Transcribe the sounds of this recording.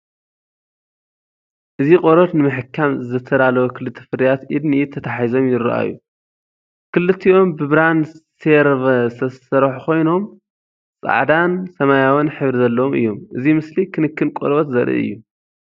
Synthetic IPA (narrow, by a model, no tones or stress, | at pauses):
ʔɨzikʼoɾɐt̪nɨmɨħɨkʰːamzɨt̪ʰɐd̪alɐwokʰɨlɨt̪ʰːi̥fɨɾijat̪ʔid̪niit̪ʰɐt̪ʰaħizo̞mjɪɾɐ̰ʔa̰jːu | kʰɨlɨt̪ʰːio̞mbɨβɾanseɾβɐsɐsɐɾħukʰo̞jno̞m | sʼa̰ʕd̪ansɐmajawɨnħɨβɾizɐlːɐwomɨ̰jːo̞mʔɨzimɨslikʰɨnɨkʰːɨnkʼo̰ɾβɐt̪zɐɾʔḭʔɨ̰jːu